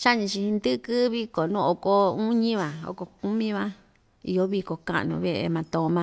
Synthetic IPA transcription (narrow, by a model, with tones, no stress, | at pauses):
t͡ʃa˦ɲĩ˧t͡ʃi˧hĩ˧nd̪ɨ˦kɨ˦βi˧ko˨nũ˦˨o˨ko˧u˦ɲĩ˦βã˨o̰˧ko˧ku˦mĩ˦βã˦ | ḭ˧jo˦βi˧ko˨kã̰˧˨ʔnũ˧βe˦˧ʔḛ˧mã˧t̪õ˧˨˧mã˧